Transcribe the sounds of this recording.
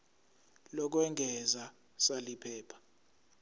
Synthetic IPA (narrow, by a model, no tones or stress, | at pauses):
lɔk̬wɛŋɡʱɛza | salipʰɛːpʰḁ